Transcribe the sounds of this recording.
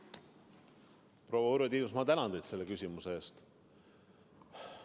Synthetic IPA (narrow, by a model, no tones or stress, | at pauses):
pro̞wɑuɾed̪iːnus̬mɑt̪ænɑnd̪ed̪t̪se̞lːekysʲimuse̞eːst̪